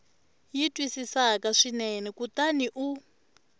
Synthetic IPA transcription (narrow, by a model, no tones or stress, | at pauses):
jitʼwisisakaʂinɛnɛkutaniʔu